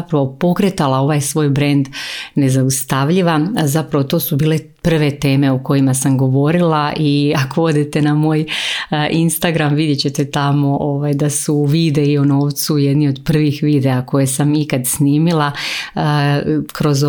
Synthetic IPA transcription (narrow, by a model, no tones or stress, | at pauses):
pɾaʋo̞po̞kɾet̪alˠao̞ʋajsʋo̞ːjbɾe̞nd̪ne̞zaust̪aʋʎiʋazapɾaʋo̞t̪o̞ːsubiːle̞ | pr̩ʋe̞t̪e̞ːme̞uko̞jimasamɡo̞ʋo̞ɾilˠaʔiako̞o̞d̪it̪e̞namo̞ːjʔinst̪aɡɾamʋid̪jet͡ɕe̞t̪et̪amo̞ʔoʋajd̪asuːʋid̪e̞iono̞ːʋt̪sujed̪nio̞d̪pr̩ʋixʋid̪e̞ako̞je̞samikad̪sniːmilˠa | kɾo̞z